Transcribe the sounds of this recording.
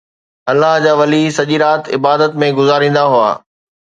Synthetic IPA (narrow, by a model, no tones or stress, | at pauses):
ɐlːaɦd͡ʑaːʋɐlisɐʄiɾaːt̪ɪbaːd̪ət̪mẽɡʊzaːɾĩːn̆d̪aɦua̰ː